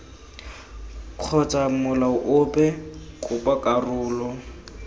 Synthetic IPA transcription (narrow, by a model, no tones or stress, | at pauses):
kʰɔt͡sʼamʊlaʊʔʊpʼɛkʼʊpʼakʼarʊːlɔ